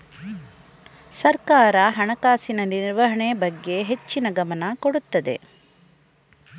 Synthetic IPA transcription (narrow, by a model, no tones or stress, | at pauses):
sɐɾkaːɾɐɦɐɳɐkaːsinɐniɾiɾʋɐɦɐɳebɐɡːe̞ɦe̞t͡ʃːinɐɡɐmɐnɐkoɽut̪ːɐd̪e̞̰